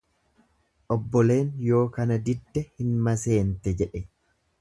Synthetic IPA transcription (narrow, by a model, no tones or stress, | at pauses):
ʔɔbːɔle̞ːnjo̞ːkɐnɐd̪ɪd̪ːɛhɪnmɐse̞ːnt̪ɛd͡ʒɛᶑɛ